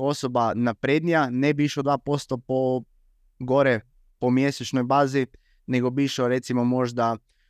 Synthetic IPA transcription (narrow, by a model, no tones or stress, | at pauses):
o̞sobanapɾed̪nijanebiʃod̪ʋaːpo̞st̪opo | ɡoɾe | pomjeset͡ʃnojbaːzi | neɡo̞biiʃoɾet̪simomo̞ʒd̪a